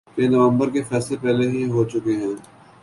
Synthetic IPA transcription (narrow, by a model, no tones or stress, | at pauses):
jenɐʋə̃mbəɾkefɛːslepɛːleɦiɦot͡ʃʊkeɦɛ̃ː